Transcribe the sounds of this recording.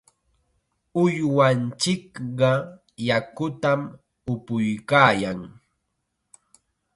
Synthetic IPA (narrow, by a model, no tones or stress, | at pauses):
ʊjwant͡ʃɪkɢɑ | jakʊt̪am | ʊpʊjkaːjaŋ